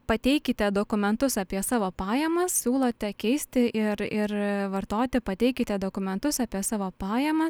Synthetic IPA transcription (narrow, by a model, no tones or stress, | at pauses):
pɐt̪ʲɛɪkʲɪt̪ʲɛd̪oːkʊmʲɛnt̪ʊsɑːpʲiɛsɑːʋoːpɑːjɛmɐssʲuːlˠot̪ʲɛkʲɛɪsʲt̪ʲɪʔɪɾɪrʋɐrt̪oːt̪ʲɪpɐt̪ʲɛɪkʲɪt̪ʲɛd̪oːkʊmʲɛnt̪ʊsɑːpʲiɛsɑːʋoːpɑːjɛmɐs